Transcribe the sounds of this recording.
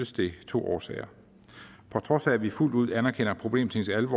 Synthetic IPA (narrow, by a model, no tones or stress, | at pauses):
əsd̥e̝t͡sʰo̝̰ːʔɒːsɛ̰ɪɐ | pʰɒ̽t͡sʰʁɒ̽sæʋiful̰d̥uð̞̰ˠænɐkʰenɐpʰʁo̝b̥le̝̰ːmt͡sʰe̝ŋsʰeælʋɒ̰